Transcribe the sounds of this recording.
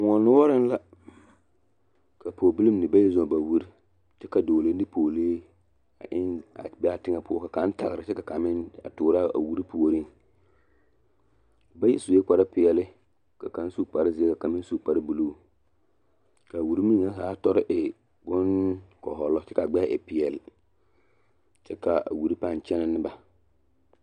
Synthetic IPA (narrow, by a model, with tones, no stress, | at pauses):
ŋɔ˨nʊ˦ɔ˦ɾɪ˦n˦la˦ | ka˨pʰoː˨bu˦li˦mnɪ˨ba˦jɛ˦zɔ˨ba˨wu˦ɾi˦ | tɪ˦ka˨doː˨le˦n˦dɪ˦pʰoː˨leː˦ | a̰˨ʔɪ˦na̰˨bɛ˦a˦tɪ˦ŋa˦pʊ˦ɔ˦ka˨ka˨˦n˦ta̰˨ɣɾɪ˨tɪ˦ka˨ka˨mɪ˦na̰˨tʊː˨ɾa˦a̰˨wu˦ɾi˦pu˨o˨ɾi˦ŋ | ba˦jɛ˦su˨e˦k͡pa˨ɾa˦pɪ˨jɛ˨lɪ˦ | ka˨ka˨˦n˦su˦k͡pa˨ɾɪ˦zɪ˦e˦ka˨ka˨mɪ˦n˦su˦˨k͡pa˨ɾɪ˦bu˨luː˦ | ka˨wu˨ɾi˦mi˦ŋːa˦saː˨˦tɔ˦ɾɪ˦ʔɪ˨ | bʊ˦nkɔ̰˨ɦɔ˨lɔ˦t͡ʃɛ˦ka˨ɡ͡bɛ˦˨ʔɪ˨pɪ˨jɛ˨lɪ˨ | t͡ʃɛ˦ka˨a̰˨wu˨ɾi˦pa˦˨n˨t͡ʃɛ˦na˦nɪ˦ba˦